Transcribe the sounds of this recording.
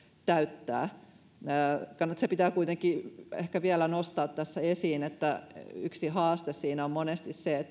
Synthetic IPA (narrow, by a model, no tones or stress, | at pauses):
t̪æyt̪ːæ̰ː | kɑnːɑt̪sepit̪æːkuit̪eŋkiḛhkæʋiælænost̪ɑːt̪t̪æsːæesiːnet̪ːæyksihɑːst̪essiːnæommonest̪isseet̪ː